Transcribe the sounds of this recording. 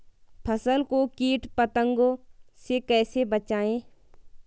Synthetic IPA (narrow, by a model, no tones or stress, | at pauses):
pʰəsəlkokiːʈpət̪ə̃ŋɡosekɛːsebət͡ʃaːẽː